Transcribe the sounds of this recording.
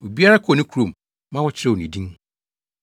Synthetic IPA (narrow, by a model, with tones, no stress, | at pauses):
o˨bi˦a˦ɾa˦kʰɔ˦˨nɪ̃˦kʰu˨ɾõ˨m˨ | mã˦wɔ˦t͡ɕʰɪ˦ɾɛ˨nĩ˨dĩ˦ŋ